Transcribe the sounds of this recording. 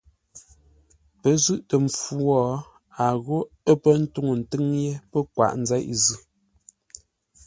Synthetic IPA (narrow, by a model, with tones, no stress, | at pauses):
pə˨˦zʉ˦˨ʔtə˨ɱ̩˨fu˦wɔ˦ | a˨ɣo˦ | ə˦pə˦n̩˦tu˦ŋo˨n̩˨tɨ˦ŋje˦pə˦kwa̰˨ʔn̩˦za˦ʔzʉ˦˨